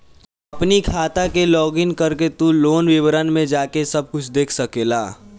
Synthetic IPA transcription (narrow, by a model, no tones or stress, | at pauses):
ɐpnikʰaːt̪akelɔːɡɪŋkəɾket̪uloːnʋɪwɾənmẽd͡ʒaːkesɐb̚kʊt͡ʃʰd̪eːkʰsɐkeːlaː